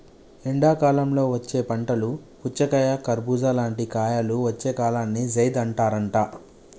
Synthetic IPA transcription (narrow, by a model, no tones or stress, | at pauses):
eɳɖaːkaːlɐmlo̞ːʋɐt͡ʃːe̞ːpɐɳʈɐluput͡ʃːɐkɐjakɐɾbuːd͡ʒaːlaːɳʈikaːjaːluʋɐt͡ʃːe̞ːkaːlaːnːid͡ʒɐjd̪ɐɳʈaːɾɐɳʈaː